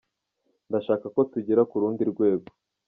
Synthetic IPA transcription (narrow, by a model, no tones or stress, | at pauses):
ndaʃaːkako̞tuɟiɾakuɾuːndiɾɡwe̞ːɡo